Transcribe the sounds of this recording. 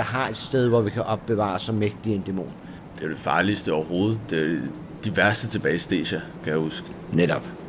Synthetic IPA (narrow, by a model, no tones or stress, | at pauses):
ɑ̈ɦɑ̈e̝d̥sd̥eð̞ˠʋɒʋikʰæʔɒ̽b̥̚ːe̝ʋɑ̰̈sɒmeɡ̥̚d̥iend̥e̝mo̝̰ːn | d̥e̝æd̥e̝fɑ̈ːlisd̥əɒʊɐɦo̝ːð̞̩ˠd̥e | d̥iʋæɐsd̥ət͡sʰe̝b̥ɛːɪsd̥ḛːɕækʰæjæhusɡ̥əneɾ̥ɒ̽b̥